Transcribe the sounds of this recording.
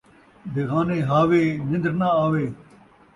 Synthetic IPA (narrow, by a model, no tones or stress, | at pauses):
d̪eɣaːneːɦaːʋeːzɪ̃nd̪ɾnaaːʋeː